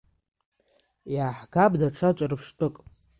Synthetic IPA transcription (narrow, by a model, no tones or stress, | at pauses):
jaːħɡabdaʈ͡ʂʰat͡ʃʷʼarɨpʰʂtʼɨkʼ